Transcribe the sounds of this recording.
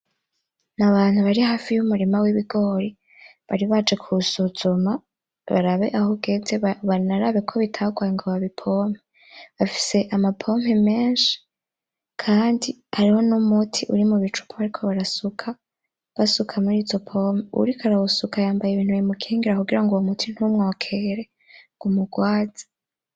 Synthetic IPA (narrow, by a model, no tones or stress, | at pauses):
naβaːn̥huβaɾihaːfijumuɾimawiβiɡo̞ːɾi | βaɾiβat͡ʃekʰusuz̥uma | βa̰ɾaβe̞̰ʔahoɡe̞ːnzeβanaɾaβekʰo̞βitʰaɡwajiŋɡoβaβipʰo̞ːm̥he | βafi̥se̞ʔamapʰo̞m̥heme̞ːnʃi̥ | kʰaːndihaɾiho̞numutʰiʔuɾimuβit͡ʃu̥pʰuaɾikʰo̞βaɾasukʰa | βasukʰamuɾiːzo̞pʰo̞meṵɾikʰaɾawusukajaːmbajeβiːn̥huβjimukʰiːŋɡiɾakuɡiɾaŋɡuwomutʰin̥humŋoːkʰeɾe̞ | ɡumuɡwaːz̥ḁ